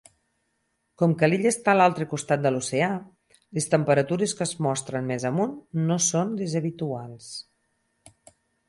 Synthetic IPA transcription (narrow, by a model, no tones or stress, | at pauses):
kɔmkəliʎəst̪alalˠt̪ɾəkust̪at̪̚d̪əlusea | lest̪əmpəɾət̪uɾeskəzmɔst̪ɾənmezəmunːosond̪ezəβ̞it̪ualˠs